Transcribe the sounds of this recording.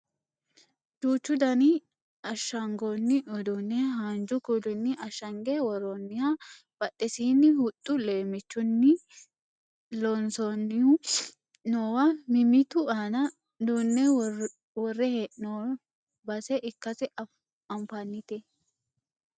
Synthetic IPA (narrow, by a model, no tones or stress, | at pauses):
d͡ʒuːt͡ʃːʊd̪ɐnɪ | ɐʃːɐŋɡonːɪʔɔd̪ɔnːɛɦand͡ʒʊkulɪnːɪʔɐʃːɐŋɡewɔɾɔnːɪhɐ | b̥ɐtːɛsiːnːɪhʊt̪ʼːʊleːmɪt͡ʃːʊnːɪ | lɔnsɔn | noːwɐmɪmɪt̪ʊanɐ | d̪uːnːɛ | wɔrːɛhɛʔno | bɐsɛʔɪkːɐsɪ | ɐmfanːɪt̪ɛ